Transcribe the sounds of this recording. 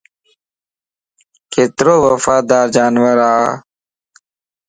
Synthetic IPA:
ket̪ɾowəfaːd̪aːɾd͡ʑaːnwəɾa̰ː

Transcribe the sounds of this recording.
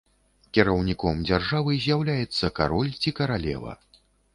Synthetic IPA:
kʲɛɾɐwnʲikɔmd͡zʲarʐavɨzʲjawlʲajɛt̪sːɐka̰ɾɔlʲt͡sʲikɐɾalʲɛ̰vɐ̰

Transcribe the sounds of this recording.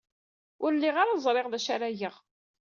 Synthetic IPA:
ʊɾlːiʁaɾazˤɾˤeʁðæʃaɾæjəʁ

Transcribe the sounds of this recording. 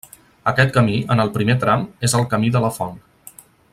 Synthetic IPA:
əkɛt̪̚kəmiənəlˠpɾimet̪ɾamezəlˠkəmiðələfɔn

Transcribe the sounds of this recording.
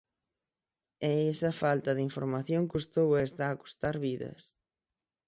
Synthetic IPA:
ɛɛsɐfalt̪ɐðiɱfoɾmaθjoŋkust̪owɐest̪aːku̥st̪aɾβiðɐ̰s

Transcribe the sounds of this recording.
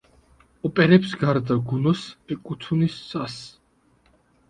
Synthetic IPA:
ɔpʼɛɾɛpsɡaɾd̪aɡunɔsɛkʼut̪ʰunisʼas

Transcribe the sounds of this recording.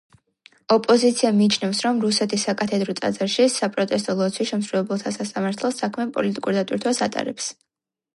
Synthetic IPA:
ɔpʼɔzit̪sʰiamiːt͡ʃʰnɛfsɾɔmɾusɛt̪ʰisːakʼat̪ʰɛd̪ɾɔt̪sʼa̰d̪zaɾʃisapʼɾɔt̪ʼɛs̬t̪ʼɔlˠɔt̪sʰwiʃɛmsɾulɛbɛlˠt̪ʰasasamaɾt̪ʰɛlˠsakʰmɛpʼɔ̰lit̪ʼikʼuɾd̪at̪ʼwiɾt̪ʰwasat̪ʼa̰ɾɛps

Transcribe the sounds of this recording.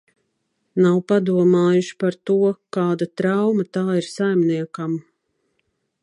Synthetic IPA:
nawpad̪uɔmaːjuʃi̥paɾt̪uɔkaːd̪at̪ɾawmat̪aːiɾsajmniɛkam

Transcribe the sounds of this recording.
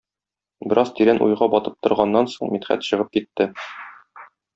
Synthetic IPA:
bɘ̆ɾʔɑzt̪iɾænʔṵjʁɑbɒt̪ɤp̚t̪ŏɾʁɑnːɑnsoɴmit̪χæ̰t̪ɕɤ̆ʁɤp̚kit̪ːɘ

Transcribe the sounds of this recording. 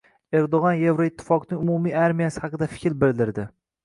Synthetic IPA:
e̞ɾd̪oʁɒnje̞vɾoɪt̪ʰːɪ̥fɒqnɪŋʊmumiaɾmijasɪhɑqɨd̪afɪkʲɾbɪld̪ɪɾd̪ɪ

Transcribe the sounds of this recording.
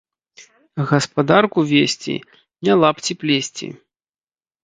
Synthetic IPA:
ɣɐspad̪arkuvʲesʲt͡sʲḭ | nʲɛlˠapt͡sʲiplʲesʲt͡sʲḭ

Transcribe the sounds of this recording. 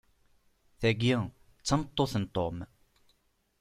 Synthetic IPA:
θæɡi | t͡sːɑmət̪ˤːoθənt̪ˤom

